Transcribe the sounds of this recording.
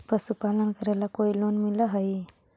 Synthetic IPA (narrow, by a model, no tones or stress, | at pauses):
pəsupaːlənkəɾɛlakoːiloːnmiləɦəi